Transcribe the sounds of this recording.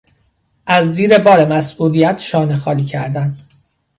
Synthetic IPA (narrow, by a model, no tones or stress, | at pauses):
ʔæzːiːɾe̞bɒːɾemæsʔuːlijæt̪ʰʃɒːnexɒːliːcʰæɾd̪æn